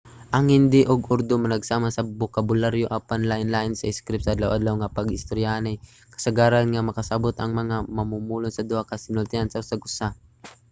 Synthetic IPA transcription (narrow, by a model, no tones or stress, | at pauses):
ʔɐŋhɪnd̪ɪʔʊɡʊɾd̪omɐnɐɡsaːmasɐbʊkabʊlaɾjoʔapanlaʔɪnlaʔɪnsɐɪskɾɪp̚saad̪lawʔad̪lawŋapɐɡɪst̪oɾjanaj | kɐ̥saɡaːɾanŋamɐkasabʊt̪ʔɐ̰ŋmɐŋamɐmumuːlʊnsɐd̪ʊhakasɪnʊlt̪ɪhansɐʔʊsaɡʔʊsa